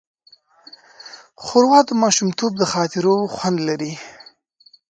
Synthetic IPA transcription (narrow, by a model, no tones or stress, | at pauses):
xʊɾwɑt̪əmɑʃumt̪ʰob̚d̪əxɑt̪ɪɾoxwand̪laɾi